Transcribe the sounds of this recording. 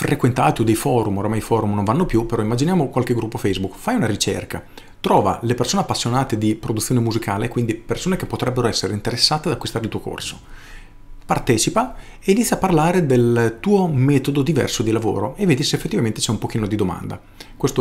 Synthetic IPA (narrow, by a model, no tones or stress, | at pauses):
fɾʔekwent̪aːt̪iod̪ejfɔːɾumoɾamajfɔːɾumnonvanːopjupːeɾɔimːad͡ʒinjaːmokwalkeɡɾupːofɛjzbukfajunaɾit͡ʃḛrka | t̪ɾɔːva̰lepersoːneapːasːjonaːt̪ed̪ipɾod̪ut̪sːjoːnemuzikʰaːlekwind̪ipersoːnekepːot̪ɾɛbːeɾoɛsːeɾeint̪eɾesːaːt̪ead̪akːwist̪aːɾeilt̪uːoko̰rso | part̪ɛːt͡ʃipa | eiːnit̪sːjapːarlaːɾed̪elt̪uːomɛːt̪od̪od̪ivɛ̰rsod̪ilavo̰ːɾoevːeːd̪iseːfːet̪ːivament̪e̥t͡ʃɛumpok̟iːnod̪id̪oma̰nd̪a̰ | kwest̪o